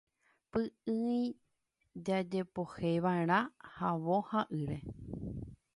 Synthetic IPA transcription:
pɨɨĩ | d͡ʒad͡ʒe̞po̞heʋaeɾ̃ãhaʋohaʔɨɾe̞

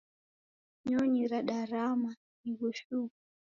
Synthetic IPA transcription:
ɲɔɲiɾaɗaɾama | iɣɔʃuku

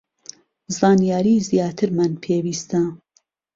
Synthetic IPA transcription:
zɑːnijaːɾiːzijɑːt̪ʰɨɾmanpʰewiːst̪a

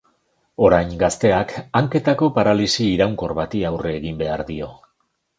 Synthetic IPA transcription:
o̞ɾajŋɡast̪e̞akaŋke̞t̪ako̞paɾalisiːɾawŋko̞rβat̪iawre̞ːɣimbe̞aɾðio̞

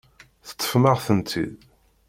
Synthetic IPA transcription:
θə̥t̪ˤːə̥fməʁθənt̪ʰḭð

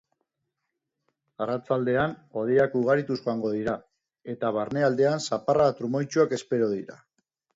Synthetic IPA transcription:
arat͡sald̪e̞ano̞ðiakuɣ̞aɾit̪usʝo̞aŋɡo̞ðiɾa | e̞t̪aβaɾne̞ald̪e̞ansaparat̪ɾumo̞jt͡ʃuake̞spe̞ɾoðiɾa̰

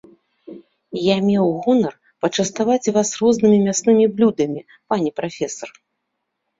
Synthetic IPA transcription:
jamʲɛwɣɔnɐr | pɐt͡ʂɐst̪avat͡sʲvasrɔznɨmʲimʲasnɨmʲiblʲud̪ɐmʲi | panʲɛpɾafʲɛsɐr

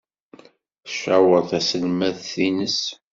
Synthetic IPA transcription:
ʃawəɾθæsəlmæθθinəs

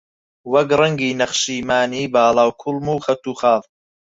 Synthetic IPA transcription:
wɐkrɐŋɡiːnɐχʃiːmaːniːbaːlaːwkʰulmuːxɐt̪uːxaːv

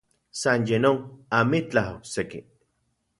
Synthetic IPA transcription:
sanjenoŋamit͡ɬahoksekḭ

